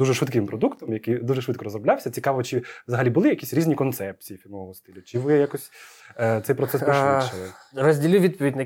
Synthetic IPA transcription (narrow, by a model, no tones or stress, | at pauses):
d̪uʒɛʃʋɪt̪kɪmpɾɔd̪ukt̪ɔmjɐkijd̪uʒɛʃʋɪt̪̚kɔɾɔzɾɔblʲɑwsʲɐt͡sʲikɑʋɔt͡ʃɪʋzɐɦɐlʲibʊlˠɪjɐkʲisʲɾʲizʲnʲikɔnt̪sɛp̚t͡sʲijifʲilʲmɔʋɔɦɔst̪ɪlʲʊt͡ʃɪʋɪjakɔsʲt̪sɛjpɾɔt̪sɛsiʃt͡ʃɪlˠɪrɔzʲdʲilʲɪʋʲid̪̚pɔʋʲidʲnɐ